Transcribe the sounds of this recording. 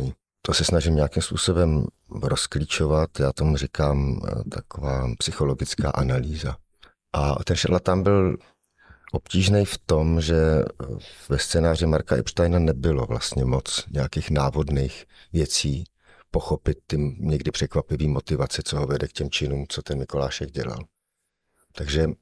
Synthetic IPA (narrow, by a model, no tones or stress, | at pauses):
i | t̪osɛsnaʒɪmɲɛjakɪmspuːso̞bɛm | ɾosklit͡ʃo̞vat̪jaːt̪o̞murɪkaːmt̪ʰakovaːpsɪxo̞lo̞ɡɪt͡ska̰ːʔanaliːza | ʔat̪ɛnʃaɾlat̪ːambɪl | ʔopciːʒnɛjft̪omʒɛ | vɛst͡sɛːnaːr̝ɪmaɾkaʔɛ̰brt̪ajnanɛbɪlo̞vla̰st̪ɲɛmo̞t͡sɲɛakiːxnaːvo̞dnejx | vjɛt͡siː | poxo̞pɪt̪̚ːɪɲɛɡdɪpr̥ɛkvapɪviːmot̪ɪvat͡sɛt͡soɦovɛdɛkcɛmt͡ʃɪnuːmt͡sot̪ɛnmɪko̞laːʃɛɡ̚ɟɛ̰la̰l | t̪aɡʒɛ